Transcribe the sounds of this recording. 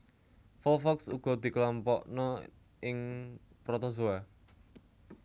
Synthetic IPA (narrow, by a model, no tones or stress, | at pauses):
fɔlfɔksṵɡ̥ɔ̤d̪̥i̤klɔmpɔʔnɔ | ʔɪŋ | pɾɔt̪ɔzoa